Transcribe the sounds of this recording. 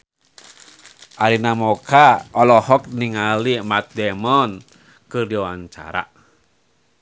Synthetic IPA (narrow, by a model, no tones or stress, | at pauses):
ʔaɾinamɔkaɔlɔhɔk̚niŋalimat̪̚dɛmɔn | kɨrdiawaɲt͡ʃa̰ɾa̰